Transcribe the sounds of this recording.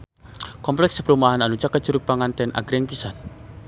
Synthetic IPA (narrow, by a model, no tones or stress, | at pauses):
kɔmplɛkspəɾumaɦananut͡ʃakə̥d͡ʒuɾuk̚b̥aŋant̪ɛnʔa̰ɡ̥ɾɛŋpisan